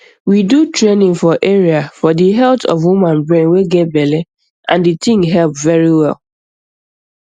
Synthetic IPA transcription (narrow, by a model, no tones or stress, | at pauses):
widutʰɹenɪ̃ŋfɔʔeɹiafɔdiɦɛlˠtʰɔ̰vwumãnbɹẽnweɡɛt̚bɛle | ʔã̰nditɪ̃ŋɦɛlˠpvɛɹiwɛ̰lˠ